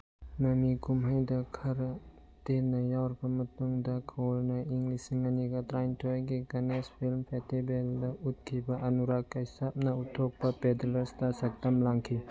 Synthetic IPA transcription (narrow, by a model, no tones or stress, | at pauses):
mɐmikumɦajdɐkʰɐɾɐ | tenːɐjawɾbɐmɐtuŋdɐkʰwɔlnɐiŋlisiŋɐniɡɐtɾajntʰojɡiɡɐnespʰilmpʰestibeldɐut̚kʰibɐʔɐnuɾakːɐjsap̚nɐutʰːok̚pɐpedlɐɾstɐsɐk̚tɐmlaŋkʰi